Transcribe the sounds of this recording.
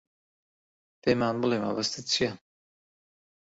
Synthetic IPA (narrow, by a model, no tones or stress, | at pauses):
peːmaːnbɨlˠema̰bɐst̪ʰɨt͡sʰijan